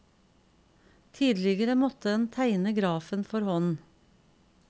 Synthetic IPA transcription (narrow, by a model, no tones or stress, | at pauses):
t̪ʰiːd̪lɪɡəɾəmɔt̪əɛnt̪ʰæɪnəɡɾɑːfənfɔɾhɔn